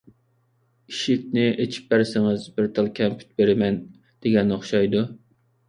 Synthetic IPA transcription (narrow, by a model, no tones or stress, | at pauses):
iʃɪk̚ʲnɪʔet͡ʃʰi̥p̚bæɾsɪŋɪzbɪɾt̪ʰælˠkʲʰɛmpʰy̥t̪̚beɾɪmɛn | d̪̥eɡʲɛnːoχʃɑjd̪u